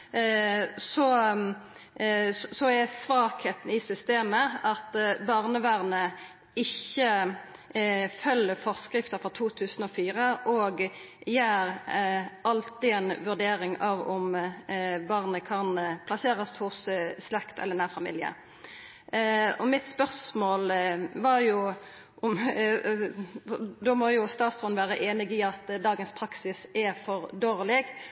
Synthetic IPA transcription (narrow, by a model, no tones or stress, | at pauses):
sɔ | sɔɛsʋɑːkheːt̪ən̩ɪsʏst̪eːməʔɑt̪bɑʁnəʋæʁnə | ɪçːə | fœlːəfɔʁskɾɪft̪əɾfɾɔt̪ʰuːt̪ʰʉːsənɔfiːɾəʔɔːɡjæːɾ | ɑlt̪ɪɛnʋʉʁd̪eːɾɪŋɑʋɔm | bɑʁnəkʰɑnpʰlɑseːɾɑshʊsslɛkt̪ʰɛ̰lənæːʁfɑmḭːljɪə̰ | ɔmɪt̪spœʁsmoːlʋɑɾjʊ | ʔʊm | d̪ɔmɔjʊst̪ɑːt̪sfɔnʋæːɾəʔeːnɪɡɪɑt̪d̪ɑːɡənspʰɾɑksɪsɛfɔʁd̪oːʁlɪɡ